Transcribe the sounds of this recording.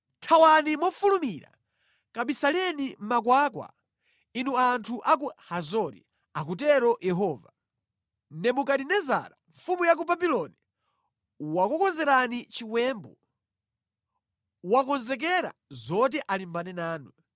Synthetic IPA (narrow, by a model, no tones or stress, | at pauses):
tʰawanimɔfulumiɾa̰ | kaɓisalɛnim̩mak̬waːkwa̰ | inuantʰuʔak̬uhazɔɾḭ | ak̬utɛɾɔjɛɦɔːva | nɛmukaɗinɛza̰ɾaɱfumujak̬ubabilɔni | wakɔkɔnzɛɾanit͡ʃiwɛːmbɔ | wakɔnzɛk̬ɛɾa̰zɔt̬ɛʔalimbanɛnaːnu